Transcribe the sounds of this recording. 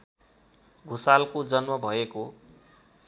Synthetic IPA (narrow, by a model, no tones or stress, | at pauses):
ɡʱusalkod͡zʌnmʌbʱʌeko